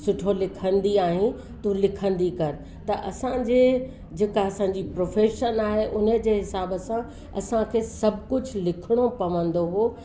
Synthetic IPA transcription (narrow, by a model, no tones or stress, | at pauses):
sʊʈʰolɪkʰə̃nd̪iaːɦĩ | t̪ulɪkʰə̃nd̪ikɐɾɪ | t̪ɐʔɐsãd͡ʑeː | d͡ʑeːkaɐsãɲd͡ʑipɾoːfeːʃənaːɦeʔʊnəd͡ʑeːɦɪsaːbəsã | ɐ̰sãkʰeːsɐbʱkʊd͡ʑʱlɪkʰɪɽ̃opɐʋə̃nd̪oɦoː